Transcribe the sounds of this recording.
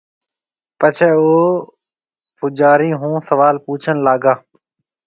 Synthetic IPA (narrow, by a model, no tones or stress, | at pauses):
pət͡ʃʰɛːoː | pʊd͡ʒaːɾĩːɦũːsəʋaːlpuːt͡ʃʰənlaːɡaː